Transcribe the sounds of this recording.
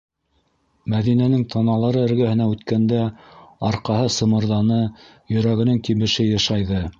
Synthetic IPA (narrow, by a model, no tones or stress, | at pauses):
mæðinænɘŋt̪ʰɑnɑlˠɑɾɤɘ̆ɾɡæhɘ̆næʉt̪kænd̪æɑɾqɑɦɤsɤ̆mɤ̆ɾðɑnɤ | jɵ̆ɾæɡɘ̆nɘŋk̪iβɘ̆ʃɘjɑ̆ʃɑjðɤ